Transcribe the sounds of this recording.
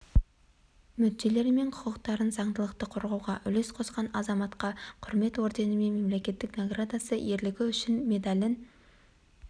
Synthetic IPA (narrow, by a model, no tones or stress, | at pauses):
mʏd̪̚d̪e̞le̞ɾme̞ɴqʰʊ̥qəqt̪ɑɾənzɑɴd̪əlˠəqt̪əqʰʊɾʁɑwʁɑʔʏle̞sqʰo̞sqɑnɑzɑmɑt̪qɑqʰʊɾme̞t̪wo̞ɾd̪e̞nəme̞nme̞mle̞kʲe̞t̪ːɪknoɡrad̪asəʔe̞ɾlɪɡʲɪʏʃɪnme̞d̪alʲɪn